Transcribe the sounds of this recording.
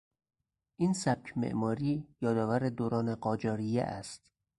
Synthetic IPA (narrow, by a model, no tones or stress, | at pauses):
ʔinsæb̚cʰmḛʔmɒːɾiːjɒːd̪ɒːvæɾed̪oːɾɒːneɢɒːd͡ʒɒːɾijḛʔæst̪